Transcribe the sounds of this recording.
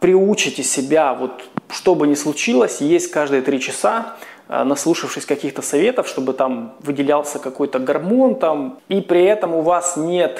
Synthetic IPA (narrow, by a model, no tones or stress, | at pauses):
pɾʲɪut͡ɕɪtʲɪsʲɪbʲavo̞t̪ʂt̪o̞bɨnʲɪslˠʊt͡ɕilˠəsʲjesʲtʲkaʐd̪ɨjət̪ɾʲit͡ɕɪsa̰ | nɐslˠuʂɨfʂɨsʲkɐkʲixt̪əsɐvʲe̞t̪əfʂt̪o̞bɨt̪amvɨdʲɪlʲalˠsʲəkɐko̞jt̪əɡɐrmo̞nt̪amipɾʲɪɛt̪əmʊvasnʲe̞t̪